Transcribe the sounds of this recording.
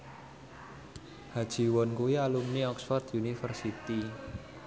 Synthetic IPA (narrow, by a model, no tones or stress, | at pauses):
had̥ʒ̥i̤wɔnkuwialumniɔksfɔrt̪junifərsit̪i